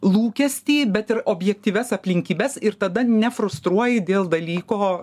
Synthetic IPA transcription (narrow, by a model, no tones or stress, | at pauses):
lˠuːkʲɛsʲt̪ʲiːbʲɛt̪ɪɾoːbʲjɛk̚t̪ʲiːʋʲɛsɐpʲlʲɪŋʲkʲiːbʲɛsɪɾt̪ɐd̪ɐnʲɛfɾʊst̪ɾuɔjɪd̪ʲeːlˠd̪ɐlʲiːkoː